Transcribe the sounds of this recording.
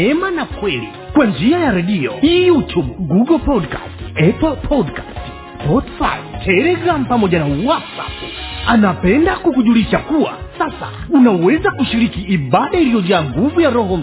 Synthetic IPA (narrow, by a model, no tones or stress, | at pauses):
ɛmanakwɛli | kwand͡ʒiajaɾɛɗiɔijutʰubɡuɡɔlpɔdka̰stɛpɔlpʰɔdkast | spɔtfa̰jtʰɛlɛɡɾam̩pamɔʄanawatsa̰panapɛndakukuʄuliʃakuwa̰sasa̰unawɛzakuʃiɾikiʔiɓaɗailijɔd͡ʒaŋɡuvujaɾɔɦɔm̩